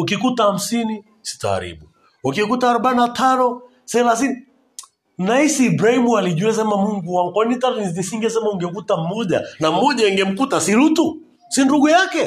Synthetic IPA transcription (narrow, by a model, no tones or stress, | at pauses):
ukikutaham̩sini | si̥ta̰ːɾḭɓu | ukikutaːɾɔɓanatʰanɔ | sɛlasini | naisiːbɾahimualiʄuɛs̬ɛmamuŋɡuwaŋkwanitaɾnisiŋɡɛsɛmauŋɡɛkutamɔʄa̰namɔʄaɛŋɡɛm̩kutasiɾutu | sinduɡujakɛ